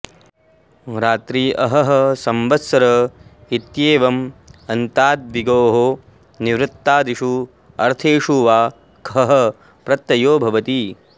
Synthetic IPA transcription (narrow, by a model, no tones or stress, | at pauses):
ɾaːt̪ɾiːʔɐɦɐɦɐsɐmʋɐsɐɾɐit̪jeːʋɐmɐnt̪aːd̪̚ʋiɡoːɦo | niʋɾɪt̪ːaːd̪iʃu | ɐ̰ɾt̪ʰeːʂuːʋaː | kɦɐɦɐ | pɾɐt̪ːɐjoːbʱɐʋɐt̪i